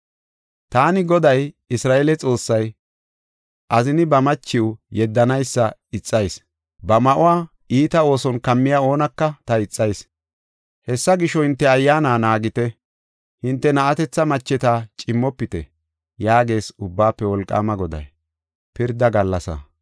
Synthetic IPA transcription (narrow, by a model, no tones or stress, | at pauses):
t̪aːnɪɡɔd̪ɐj | ɪsɾaːʔelɛt͡sʼo̞ːsːɐj | ʔɐzɪnɪbɐmɐt͡ʃːɪwʊjɛd̪ːɐnɐjsːɐɪt͡sʼːɐjs | bɐmɐʔʊwaː | iːt̪ɐo̞ːsɔnkɐmːɪjao̞ːnɐkːɐt̪ɐɪt͡sʼːɐjs | hɛsːɐɡɪʃɔhɪnt̪ːɛɐjːaːnaːnaːɡɪt̪ɛ | hɪnt̪ːɛnɐʔɐt̪ɛt͡sːɐmɐt͡ʃːɛt̪aːt͡ʃʼɪmːɔpːɪt̪ɛ̰ | jaːɡe̞ːsʊbːaːpːɛwɔlkʼːa̰ːmɐɡɔd̪ɐ̰j | pɪɾd̪ːɐɡɐlːɐsɐ̰